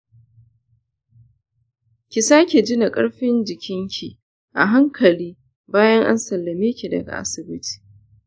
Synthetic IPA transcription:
kʲi˨saː˦kʲi˨d͡ʒɪ˦na˨kʼɐ˦ɽɸɪ˦nd͡ʒɪ˨kʲʰɪ˦ŋkʲʰi˨ | ʔa̰˨ɦa˦ŋkʰɐ˨liː˦ | baː˦jɐ˦ŋʔa̰˦nsɐ˨lːɐ˨meː˦kʲi˨dɐ̰˨ɡa̰˨ʔa̰˦sɪ˨bɪ˦tʰi̥ː˨

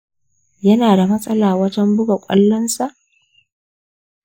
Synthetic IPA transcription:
jɐ˦naː˨da˨mɐ˦sʼɐ˦laː˨wɐ˦tɐ˦mbʊ˦ɡa˨kʷʼɐ̰˦lːɐ˦nsa˨ʔ

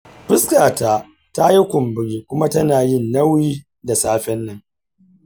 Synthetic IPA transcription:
ɸɪ˦skaː˨taː˨ | ta˦ji˦kʷʊ˨mbɪ˨ɽiː˦kʷʊ˦ma˦tɐ˦naː˨jɪ˦˨nːɐ˦wjiː˦ | da˨saː˦ɸɛ˦nːɐ˦ŋ

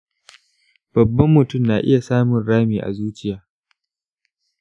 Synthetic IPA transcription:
b̥ɐ˨bːɐ˦mːʊ˨tʊ˦˨mnaː˨ʔɪ̰˦ja˨saː˦mʊ˨nɽaː˦miː˨ʔa̰˨zuː˦t͡ʃɪ˦jaː˨˦

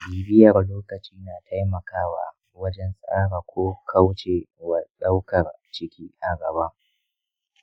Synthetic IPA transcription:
biː˨bɪ˦jɐ˨rloː˦kɐ˨t͡ʃiː˦naː˨tʰa˦jmɐ˨kaː˦wa̰˨ | wɐ˦d͡ʒɛ˦nsʼaː˦ɾaː˨kʷʰoː˦kʰa˦wt͡ʃe˨wa˨ɗa˦wkɐ˨rt͡ʃɪ˦kʲiː˦ʔa˨ɡɐ˨baː˦

